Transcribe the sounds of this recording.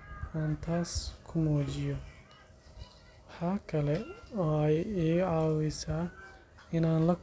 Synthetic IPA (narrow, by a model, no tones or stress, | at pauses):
ʔaːnt̪ʰaːskʰʊmuːt͡ʃɪjɔ | wɑħɑːkʰɐlɛɔːɛjiːʕɑːwɛsaː | ɪnaːnlɐ